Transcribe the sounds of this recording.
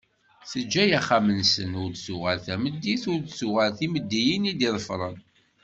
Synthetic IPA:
θəd͡ʒːæjaχamənsənʊɾd̪sʊʁælθæməd̪ːiθʊɾd̪suʁælθiməd̪ːijinid̪iðˤəfɾˤən

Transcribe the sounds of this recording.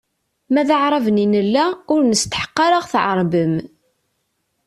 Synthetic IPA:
mæðaʕɾˤɑvninəlːæʊɾnəst̪ħə̥qːɑɾaʁθʕə̰ɾˤbəm

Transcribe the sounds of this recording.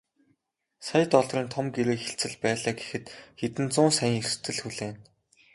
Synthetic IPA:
sajə̆t̪ɔɮriːnt̪ʰɔmɡeɾeːxeɬt͡sɘ̆ɮpæːɮaːɡexɘ̆t̪xet̪ɘ̆nt͡sʊːnsæjĭŋerst̪ɘ̆ɮxuɮeːn

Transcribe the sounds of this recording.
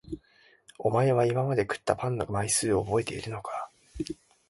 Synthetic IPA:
o̞mae̞β̞aimamad̪e̞kɯ̟̥t̪ːapãnːomaisɨːobo̞e̞t̪e̞̰ḭɾɯ̟no̞kḁ

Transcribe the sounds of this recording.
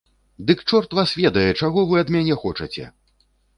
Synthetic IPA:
d̪ɨkt͡ʂɔrt̪vasvʲɛd̪ɐjɛt͡ʂaɣɔvɨɐd̪mʲanʲɛxɔt͡ʂɐt͡sʲɛ̰

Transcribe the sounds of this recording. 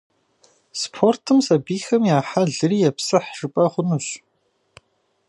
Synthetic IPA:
spʰortʰɨmsɐbiːxɐmjaːħaɮɨriːjɛpsɐħʒɨpʼɐχʷʊnuɕ

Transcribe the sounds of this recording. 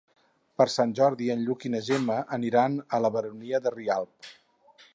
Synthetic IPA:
pəɾsanʲʒɔɾðiənʎukinəʒeməʔːniɾanələβəɾuniəðərialˠp̚

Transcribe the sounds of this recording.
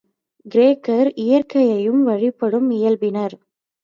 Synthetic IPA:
ɡɪɾeːkɐɾɪjɐɾkɐjɐjɯmʋɐɻɪpːɐɽɯmɪjɐlbɪnɐɾ

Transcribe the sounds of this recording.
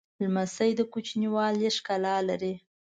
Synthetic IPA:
lmasəjd̪əkut͡ʃniwɑljeʂkalɑlaɾi

